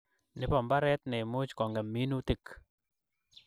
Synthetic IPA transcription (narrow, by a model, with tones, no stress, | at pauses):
nɪ˦pɔ˨mba˦ɾɛ˦t̪nɪ˨mʊ˦t͡ʃkɔ˨ŋɡɛ˨mi˦nu˦ti˦˨k